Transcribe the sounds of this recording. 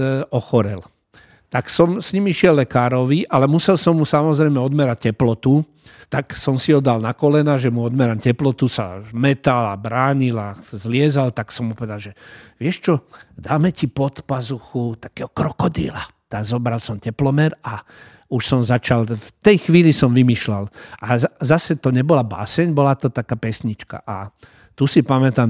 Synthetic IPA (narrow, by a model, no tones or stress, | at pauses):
ɔxɔɾɛl | t̪aksɔmsɲimiʃɪɛlːɛkaːɾɔʋiʔalɛmusɛlsɔmːusamɔzɾɛjmɛɔd̪mɛɾac̚cːɛplɔt̪u | t̪aksɔmsiɔd̪alnakɔlɛnaːʒɛmuɔd̪mɛɾamcɛplɔt̪usa̰mɛt̪ala̰bɾaːɲilazlɪɛzalt̪aksɔmːupɔʋɛd̪alʒɛʋɪɛʃt͡ʃɔd̪aːmɛcipɔt̪pazuxut̪ḁkɛːɦɔkɾɔkɔd̪ḭlat̪aɡzɔbɾalsɔmcɛplɔmɛɾa | uʃsɔmzat͡ʃalft̪ɛjxʋiːlisɔmʋimiʃlalʔazzasɛt̪ɔɲɛbɔlaba̰ːsɛɲbɔlat̪ɔt̪akaːpɛsɲit͡ʃka̰ʔa | t̪usipamɛt̪am